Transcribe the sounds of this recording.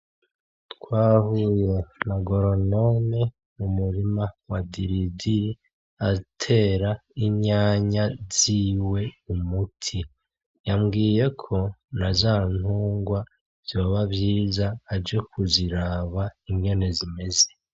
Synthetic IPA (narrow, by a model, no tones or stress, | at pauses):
tkwaːhuːje̞naɡo̞ɾono̞ne | umuɾimawadiɾidiɾi | aitʰe̞ːɾaiɲaːɲaz̥iːwe̞umutʰi | jamɡiːje̞kʰo̞nazaːn̥uːŋɡwa | z̥o̞ːβabjiːzaːd͡ʒekʰuziɾaːβaiŋɡe̞ne̞zime̞ze̞